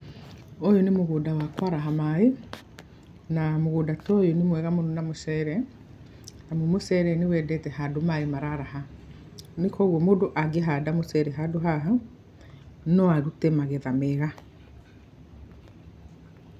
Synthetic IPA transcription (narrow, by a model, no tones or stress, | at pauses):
ojonemoɣudawakwaɾaɦamae | namoɣudatɔjonemwɛɣamononamosɛɾɛ | namomosɛɾɛnewɛdɛtɛhadomaemaɾaɾaha | nekɔɣomodoʔaɡeɦadamosɛɾɛɦadoɦaɦa | nɔaɾutemaɣeðameɾa